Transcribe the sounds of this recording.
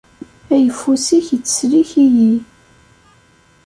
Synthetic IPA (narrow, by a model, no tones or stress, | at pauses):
æjəfːusiçət͡sːə̥sliçiji